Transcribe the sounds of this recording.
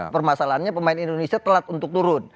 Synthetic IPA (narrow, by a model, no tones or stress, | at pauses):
pərmasalaɦanɲapəmaɪnindonesiat̪əlat̪unt̪ʊk̚t̪uɾʊn